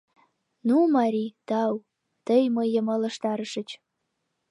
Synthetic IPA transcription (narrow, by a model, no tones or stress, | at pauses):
numɑɾʲit̪ɑw | t̪əjməjːəmə̆lə̆ʃt̪ɑɾəʃə̆t͡ɕ